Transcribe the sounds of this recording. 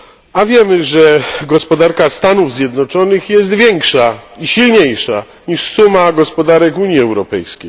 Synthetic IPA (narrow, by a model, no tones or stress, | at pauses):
avʲjɛmɘʐɛɡɔspɔd̪aɾkast̪anuvzʲjɛd̪nɔt͡ʂɔnɘxjɛs̬t̪vʲjɛŋkʂaiɕilɲejʂa | ɲiʂsumaɡɔspɔd̪aɾɛkuɲjiɛwɾɔpɛ̰jskʲej